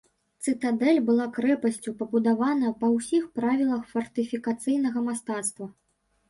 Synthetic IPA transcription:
t̪sɨt̪ad̪ɛlʲbɨlˠakɾɛpɐsʲt͡sʲupɐbud̪avanɐpɐwsʲixpɾavʲilˠɐxfɐrt̪ɨfʲikat̪sɨjn̪ɐɣɐmast̪at̪st̪vɐ

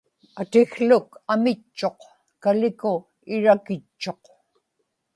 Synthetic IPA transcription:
at̪ɪxɬʊkamɪt͡ʃːo̞q | kalɪkʊ | ɪɻakɪt͡ʃːo̞q

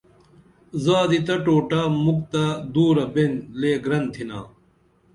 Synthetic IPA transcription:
zaːd̪it̪ɐʈoːʈamuk̚t̪ad̪uːɾɐbenleːɡɾɐnt̪ʰina̰ː

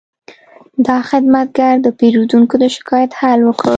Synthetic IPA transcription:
d̪ɑxɪd̪mat̪̚ɡaɾd̪əpeɾud̪uŋkod̪əʃɪ̥kɑjat̪halwəkə

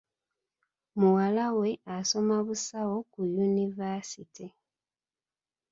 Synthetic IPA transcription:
muwalawe̞aso̞maβusawo̞kujunivasiti

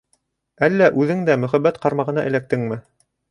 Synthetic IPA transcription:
ælːæʔʉðɘŋd̪æmɵ̆χæbːæt̪qɑɾmɑʁɤ̆nɑ̰ʔɘ̆læk̚t̪ɘŋmɘ

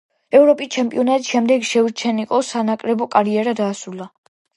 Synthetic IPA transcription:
ɛvɾɔpʼist͡ʃʰɛmpʼiɔnat̪ʼiʃɛmd̪ɛɡʃɛuɾt͡ʃʰɛniqʼɔsanakʼɾɛbɔkʼaɾiɛɾad̪aːsula

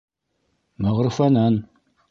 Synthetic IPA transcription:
mɐʁərfɐnan

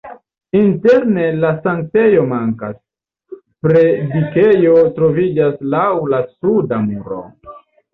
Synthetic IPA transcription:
inte̞ɾne̞lasaŋte̞jo̞maŋka̰s | pɾe̞dike̞jo̞tɾo̞vid͡ʒaslawlasudamuɾo̞̰

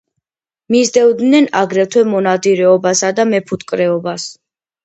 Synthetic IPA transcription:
mizd̪ɛvd̪nɛnaɡɾɛt̪ʰwɛmɔnad̪iɾɛɔbasad̪amɛpʰut̪ʰʼkʼɾɛɔbas

